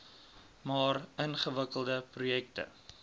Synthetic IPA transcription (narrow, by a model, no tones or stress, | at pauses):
mɑːrənχəvəkəlˠdəprujɛk̚tə̰